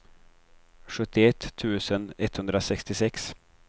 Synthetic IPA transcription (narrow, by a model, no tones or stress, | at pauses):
ɧɵt̪ːɪɛt̪ʰːʉ̟ːsənɛt̪hɵnd̪ɾasɛkst̪ɪsɛks